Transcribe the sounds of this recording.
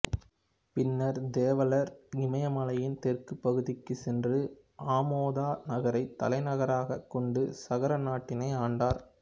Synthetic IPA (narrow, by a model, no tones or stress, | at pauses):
pɪnːɐɾd̪eːʋɐlɐɾnɪmɐjɐmɐlɐjɪnt̪ɛrkɯpːɐɣɯðɪkːɯsɛndrɯ | ʔaːmoːðaːnɐɣɐɾɐɪt̪ːɐ̰lɐɪnɐɣɐɾaːɣɐkːɔɳɖɯsɐɣɐɾɐnaːʈːɪnɐɪaːɳɖaːɾ